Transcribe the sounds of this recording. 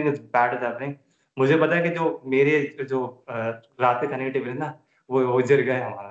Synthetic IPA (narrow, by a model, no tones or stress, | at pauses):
bɛːʈd͡ʒaẽ | mʊd͡ʒʱebɐt̪aːjekid͡ʒoːmeːɾed͡ʒoː | ɾaːt̪̚kekʰaːnekeʈebɾena | ʋood͡ʒəɾɡɐɦɛɦɐmaːɾa